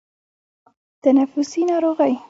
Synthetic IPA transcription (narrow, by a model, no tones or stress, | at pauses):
t̪anafʊsinɑɾoɣəj